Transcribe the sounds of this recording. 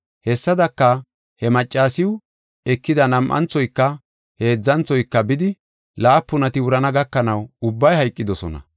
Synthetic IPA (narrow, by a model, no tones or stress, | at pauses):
hɛsːɐd̪ɐkːɐ | hɛmɐt͡ʃʼːaːsɪwʊ | ɛkːɪd̪ɐnɐmʔɐ̰nt͡sːɔjkːɐ | he̞ːd͡zːɐnt͡sːɔjkːɐbɪd̪ɪ | laːpːʊnɐt̪ɪwʊɾɐnɐɡɐkːɐnɐwʊbːɐjhɐjkʼːɪd̪ɔsɔnɐ̰